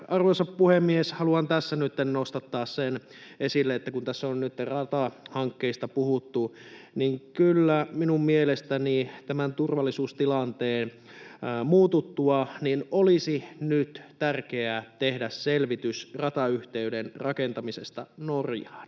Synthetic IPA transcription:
ɑrʋosɑppuhemːieshɑluɑnt̪æsːænyt̪ːennost̪ɑt̪ːɑːssen | esilːeet̪ːækunt̪æsːonnyt̪ːerɑt̪ɑhɑŋkːeist̪ɑpuhut̪ːuniŋkylːæminummielest̪ænit̪æmænt̪urʋɑlːisuːst̪ilɑnt̪eːn | muːt̪ut̪ːuɑninʔolisinyt̪t̪ærkeæt̪ehdæsselʋit̪ysrɑt̪ɑyht̪eydenrɑkent̪ɑmisḛst̪ɑ̰norjɑːn

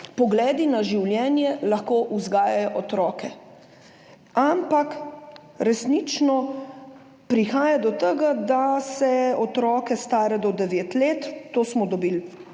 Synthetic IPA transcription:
pɔɡlɛːd̪inaʒiwljɛːnjɛlaxkoːʔuzɡaːjajɔʔɔt̪ɾɔːkɛ | ampak | ɾɛsnit͡ʃnɔ | pɾixaːjad̪ɔt̪əɡad̪asɛɔt̪ɾɔːkɛst̪aːɾɛd̪ɔd̪ɛʋeːt̪leːt̪ːoːsmɔd̪ɔbil

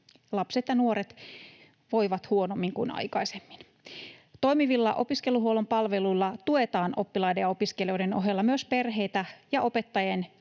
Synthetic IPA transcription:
lɑpse̞t̪jɑnuo̞ɾet̪ | ʋo̞jʋɑt̪huo̞no̞mːiŋkṵnɑ̰jkɑisemːin | t̪o̞jmiʋilːɑ̰ʔo̞̰piske̞luɦuo̞lo̞mpɑlʋe̞luilːɑt̪ue̞t̪ɑːnʔo̞pːilɑjdejɑo̞piskelioideno̞̰ɦelːɑmyøspe̞rɦe̞jt̪æjɑʔope̞t̪ːɑjen

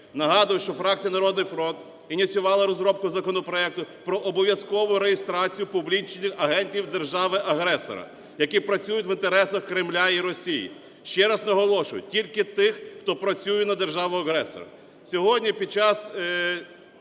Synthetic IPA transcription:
nɐɦɑd̪ʊjʊʃt͡ʃɔfɾɑk̚t͡sʲijɐnɐɾɔd̪nɪjfɾɔnt̪ | inʲit͡sʲjʊʋɑlˠɐɾɔzɾɔp̚kʊzɐkɔnɔpɾɔɛk̚t̪ʊpɾɔʔɔbɔʋʲjɐskɔʋʊɾejɪst̪ɾɑt͡sʲijʊpʊblʲit͡ʃnɪxɐɦɛnʲtʲiwd̪erʒɑʋɪʔɐɦɾɛsɔ̰ɾɐ̰ | jɐkipɾɐt͡sʲujʊtʲʋɪnt̪eɾɛsɐxkɾɪmlʲaiɾɔsʲijḭ | ʃt͡ʃɛɾɐznɐɦɔlˠɔʃʊjʊ̰tʲilʲkɪt̪ɪxːt̪ɔpɾɐt͡sʲujɛnɐd̪erʒɑʋʊɐɦɾɛsɔ̰ɾɐ̰ | sʲɔɦɔdʲnʲipʲid̪̚t͡ʃɑz̥

